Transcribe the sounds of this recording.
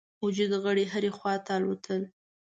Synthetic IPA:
ʊd͡ʒud̪ɣəɽeɦəɾexwɑt̪alwat̪ʰəl

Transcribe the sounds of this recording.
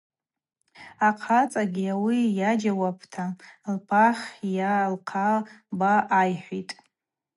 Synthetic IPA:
aqʰat͡sʼaɡʲiawijad͡ʒawapʰtʰalpʰaχʲjalqʰabaʔːjħʷitʼ

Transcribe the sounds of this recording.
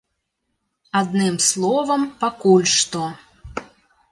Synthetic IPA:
ad̪nɨmslˠɔvɐmpakulʲʂt̪ɔ

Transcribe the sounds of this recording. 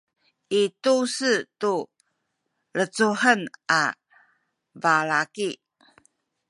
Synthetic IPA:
ʔitusətu | ɾət͡suɦənʔa̰ | vaɾaki

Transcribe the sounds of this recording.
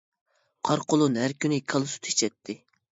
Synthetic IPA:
qʰɑɾqʰolˠunɦæɾkʲynɪkʰɑlˠɨsu̥t̪ʰe̥t͡ʃʰɛt̪ʰːɪ

